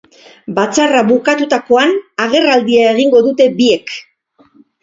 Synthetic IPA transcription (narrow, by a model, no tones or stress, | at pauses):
bat͡saraβukat̪ut̪ako̞anaɣ̞e̞rald̪iae̞ɣiŋɡo̞ðut̪e̞bie̞k